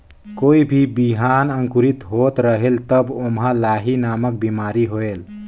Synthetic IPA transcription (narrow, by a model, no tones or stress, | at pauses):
koːibʱibiɦanəŋkuɾit̪ɦot̪ɾəɦelt̪əbomɦãlaɦinamək̚bimaɾiɦoel